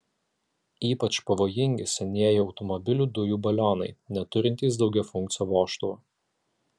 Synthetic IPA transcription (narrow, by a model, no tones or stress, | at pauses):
iːpɐt͡ʃpɐʋoːjɪŋʲɡʲɪsʲɛnʲiɛjɪɒʊt̪ɔmɔbʲɪlʲuːd̪ʊjuːbɐlʲoːnɐɪnʲɛt̪ʊɾʲɪnʲt̪ʲiːs̬d̪ɒʊɡʲɛfʊŋʲk̚t̪sʲɪjoːʋoːʃt̪u